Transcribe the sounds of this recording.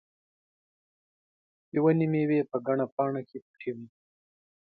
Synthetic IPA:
jwanimewepəɡaɳapɑːɳakʰepʈʰiwi

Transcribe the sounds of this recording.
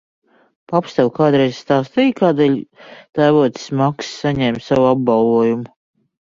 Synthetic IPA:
papst̪ɛlkaːd̪ɾɛjzʲst̪aːst̪ijkaːd̪ɛʎt̪ajvuɔt̪ʲsmakssaɲɛːmʲsawuab̚bɑlvuɔjumu

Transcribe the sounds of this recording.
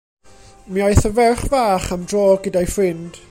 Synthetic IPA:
miajθəvɛrχvaːχamdroːɡədajfrɪnd̥

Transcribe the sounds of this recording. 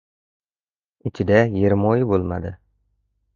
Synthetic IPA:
ɪt͡ʃʰɪd̪æjeɾmojbolˠma̰d̪ɨ

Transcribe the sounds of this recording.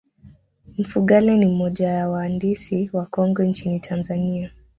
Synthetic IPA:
m̩fuɠalɛnimɔʄajawaːndisiwakɔŋɡɔnt͡ʃinitʰanzania

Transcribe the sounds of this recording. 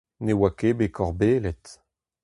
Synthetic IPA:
newakebekʰɔʁbeːlɛt̪

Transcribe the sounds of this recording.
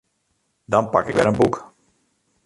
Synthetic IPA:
dɑnpakɪkʋɛ̰ɾənbuk

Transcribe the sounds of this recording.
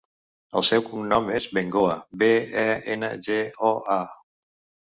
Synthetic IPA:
ə̰lˠsɛwkumnɔmezβeŋɡoəbeɛenə̰ʒeɔa

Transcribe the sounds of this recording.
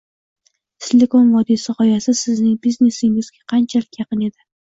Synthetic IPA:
t̪ɪlʲekomvɒd̪isɪqɒjasɪsɪznɪŋbizne̞sɪŋɪzɡʲaqʰɑnt͡ʃʰalɪkʲjɑqɨne̞d̪ɪ

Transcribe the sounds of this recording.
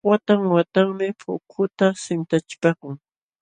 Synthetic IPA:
wat̪aŋwat̪aŋmɪpʰʊkʰʊt̪asɪnt̪at͡ʃɪ̥pakʊŋ

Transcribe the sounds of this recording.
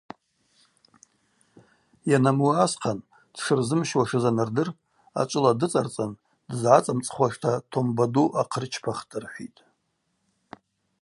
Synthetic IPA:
janamuasqʰan | d̥ʂɨrzɨmʃwaʂɨzanɨrdɨr | a̰t͡ʃʷʼɨladɨt͡sʼart͡sʼan | dzʕat͡sʼamt͡sʼχʷaʂtʰatʰombaduʔaqʰərt͡ʃʰpʰaχtʰʼɨrħʷḭtʼ

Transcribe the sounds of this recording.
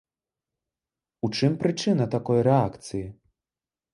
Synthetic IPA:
ut͡ʂɨmpɾɨt͡ʂɨnɐt̪akɔjɾɛakt̪sɨji

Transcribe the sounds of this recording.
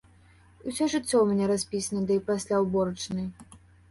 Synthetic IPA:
usʲɔʐɨt͡sʲːɔwmʲanʲɛɾasʲpʲisʲnɐd̪ɨjpasʲlʲawbɔɾɐt͡ʂnɨj

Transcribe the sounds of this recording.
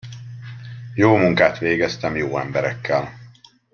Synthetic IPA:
joːmuŋkaːt̪ʋeːɡɛst̪ɛmjoːɛmbɛɾɛkʰːɛl

